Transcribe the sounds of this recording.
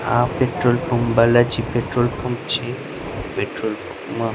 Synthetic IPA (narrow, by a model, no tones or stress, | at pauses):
ã̰peʈɾolpʰombalad͡ʑipeʈɾolpʰomt͡ɕʰi | peʈɾolpoma